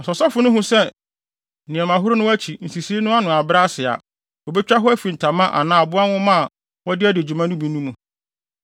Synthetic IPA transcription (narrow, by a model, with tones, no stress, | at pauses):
ɔ˨sɔ˨sɔ˦fʊ˨˦nʊ̃˦ɦʊ̃˦sɛ˦ | nɪ̃˨ɛ˨mã˨ɦʊ˦ɾʊ˦nʊ̃˦æ˦t͡ɕʰi˨n̩˨si˨si˦e˦nʊ̃˦a˦nʊ̃˨a˨bɾa˦sɪ˨a̰˨ | ɔ˨bɛ˦t͡ɕᶣa˦ɦʊ˦æ˦fi˨n̩˨tʰã˨mã˦ʔa̰˨nãː˦˨bʊ˦a˦wʊ̃˦mã˦˨ | wɔ˦dɪ˦æ˦dɪ˨d͡ʑᶣu˨mã˦nʊ̃˦bĩ˨˦nũ˦mũ˨